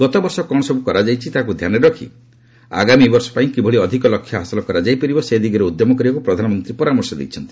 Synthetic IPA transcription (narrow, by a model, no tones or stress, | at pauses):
ɡɔt̪ɔbɔɾsɔkɔɽ̃sɔbukɔɾad͡ʒajt͡ʃʰit̪aɦak̬ud̪ʱjaneɾɔkʰḭ | a̰ɡamibɔɾsɔ̥paĩkibʱɔɭiɔd̪ʱikɔlɔkʰːjɔɦasɔlɔkɔɾad͡ʒajpɔɾibɔsed̪iɡɔɾeud̪jɔmɔkɔɾiɔkupɾɔd̪ʱanɔmɔnt̪ɾipɔɾamɔɾsɔd̪ḛjt͡ʃʰɔnt̪i̥